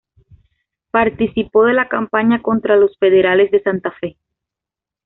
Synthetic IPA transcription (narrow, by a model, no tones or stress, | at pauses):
paɾt̪isipo̞ð̞e̞lakampaɲako̞nt̪ɾalo̞sfe̞ðe̞ɾale̞zðe̞sant̪afe̞